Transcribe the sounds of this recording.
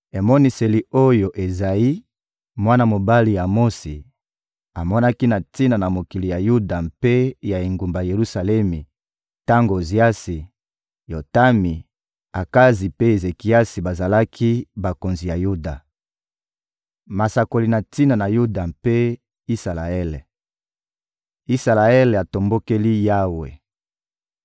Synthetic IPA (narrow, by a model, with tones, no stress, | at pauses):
e˨mɔ˦ni˦se˨li˨o˦jo˨ʔe˨za˨ji˦ | mwa˦na˦mo˨ba˦li˨ja˨mo˦si˨ | a˨mɔ˦na˦ki˦na˨ti˦na˨na˨mo˨ki˨li˨ja˨ju˦da˨mpe˦ja˨i˨ŋɡu˨mba˨je˨ʁu˦sa˨lɛ˦mi˨ | ta˦ŋɡo˨zi˨a˦si˨ | jo˨ta˦mi˨ | a˨ka˦zi˨pe˦e˨ze˨ki˨a˦si˨ba˨za˨la˦kʰi˦ba˨ko˨nzi˨ja˨ju˦da˨ | ma˨sa˨ko˨li˨na˨ti˦na˨na˨ju˦da˨mpe˦ | i˦sa˨la˨ɛ˦le˨ | i˦sa˨la˨ɛ˦le˨a˨to˨mbo˦ke˦li˦ja˦wḛ˨